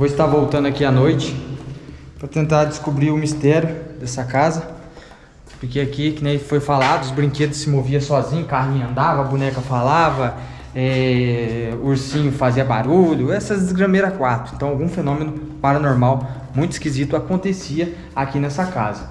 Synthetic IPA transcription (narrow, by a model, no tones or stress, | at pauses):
voɪst̪aɾvowt̪ɐ̃nd̪ʊakianojt͡ʃɪ̥ | pɾɐt̪ẽnt̪aɾd͡ʒɪskubɾiʊmist̪ɛɾjʊd̪ɛsɐkazɐ | poɾkeakikɪnẽjfojfalad̪ʊːzbɾĩŋked̪ʊssɪmoviɐsɔzĩɲʊkahnĩɲɐɐ̃nd̪avɐɐbunɛkɐfalavɐ | ɛ | uɾsĩɲʊfaziɐba̰ɾuʎʊɛsɐd̪ɪzɡɾɐ̃meɾɐakwaɾt̪ɾʊẽt̪ɐ̃w̃awɡũfenõmẽnʊpaɾɐnoɾmaw | mũj̃t̪ʊiskizit̪ʊakõnt̪esiɐ | akinɛsɐkazɐ